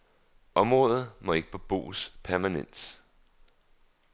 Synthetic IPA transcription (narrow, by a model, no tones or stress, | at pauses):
ʔɒ̽mʁɔ̽ːðˠð̩ˠmɒ̽e̝ɡ̥ə̥pʰɒ̽b̥o̝̰ːspʰæɐmænen̰d̥